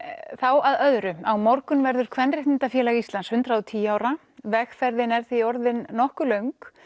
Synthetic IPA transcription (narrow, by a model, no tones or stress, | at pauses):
θawaðœðɾʏawmɔɾkʏnvɛɾðʏɾ̥kʰvɛnrɪh̪ɪnt̪afjɛːlaɣist̪lanshʏnt̪ɾawt̪ʰiːjaːwɾa | vɛxfɛɾðɪnɛɾ̥θiɔɾðɪnːɔhkʏlœɥŋk